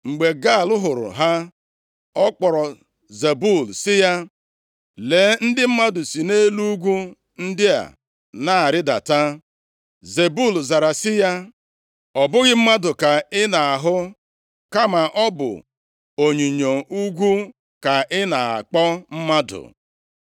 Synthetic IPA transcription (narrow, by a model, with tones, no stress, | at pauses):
ŋ͡m̩˨ɡ͡be˨ɡa˦˨lʊ˦ɦʊ˨ɾʊ̰˨ɦa˦ | ɔ˦k͡pɔ˨ɾɔ˨ | ze˨bu˦˨lsɪ˦ja˦ | le˨˦n̩˦dɪ˦m̩˦ma˦dʊ˨si˨ne˦lu˦ɡʷu˦ | n̩˦dɪ˦a̰˨ | na˦a˨ɾɪ˦da̰˨ta˦ | ze˨bu˦˨lza˨ɾa˨sɪ˦ja˦ | ɔ˨bʊ˦ɣɪ˦m̩˦ma˦dʊ˨ka˨ɪ˦na˨a˨ɦʊ˦ | ka˦ma˨ʔɔ˦bʊ̰˨ | o˨ɲi˨ɲo˨u˦ɡʷu˦ | ka˨ʔɪ˦na˨a̰˨k͡pɔ˦m̩˦ma˦dʊ̰˨